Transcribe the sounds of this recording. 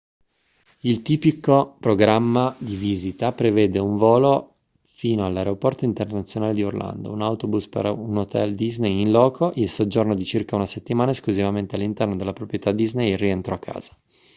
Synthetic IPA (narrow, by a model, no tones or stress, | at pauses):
ilt̪iːpikopɾoɡɾamːad̪iviːzit̪apɾevɛːd̪euɱvoːlo | fiːnoalːaeɾeopɔrt̪oint̪ernat̪sːjonaːled̪iorlʔa̰nd̪o̰unawt̪obuspḛɾunot̪ɛ̰ld̪iznejinlɔːkʰoʔilsod͡ʒornod̪it͡ʃirkaunaset̪ːimaːnaeskluzivament̪ealːint̪ɛrnod̪elːapɾopɾjet̪ad̪ːiznejrːient̪ɾɔakʰːa̰ːz̥ḁ